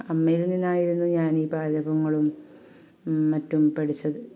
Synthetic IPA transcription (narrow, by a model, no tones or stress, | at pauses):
ɐmːɐjilnːinːaːjiɾunːuɲaːniːpaːdɐbɐŋːɐɭum | ɐtːumpeɽit͡ɕːɐðɨ